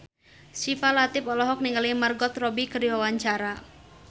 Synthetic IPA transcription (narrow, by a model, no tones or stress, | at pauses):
sifalat̪ɪpɔlɔɦɔk̚niŋalimərɡɔt̪rɔbikəriwawaɲt͡ʃaɾa